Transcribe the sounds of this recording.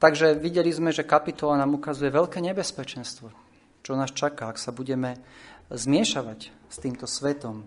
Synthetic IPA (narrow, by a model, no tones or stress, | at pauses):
t̪aɡʒɛʋiɟɛlizmɛʒɛkapit̪ɔlanaːmukazujɛʋɛʎkɛːɲɛbɛspɛt͡ʃɛnst̪ʋɔ | t͡ʃɔnaːst͡ʃakaːksabuɟɛmɛzmɪɛʃaʋacst̪iːmt̪ɔsʋɛt̪ɔm